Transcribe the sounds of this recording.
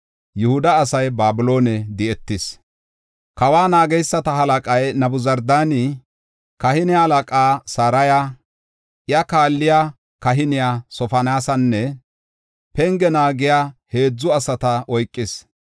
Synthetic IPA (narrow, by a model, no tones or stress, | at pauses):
jʊhʊd̪ɐːsɐjbaːbɪlo̞ːnɛd̪ɪɛt̪ːɪs | kɐwaːnaːɡɛjsːɐt̪ɐɦɐlɐkʼɐjnɐbʊzɐɾd̪aːni | kɐhɪnɪahɐlɐkʼaːsaːɾɐja | ʔɪjɐkaːlːɪja | kɐɦɪnɪjasɔfɐnaːsɐnːɛ | pɛŋɡɛnaːɡɪjahe̞ːd͡zːʊɐsɐt̪ɐʔɔjkʼːɪs